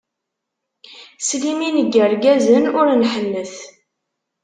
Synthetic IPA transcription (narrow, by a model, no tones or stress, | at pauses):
sliminəɡəɾɡæzənʊɾnħənːəθ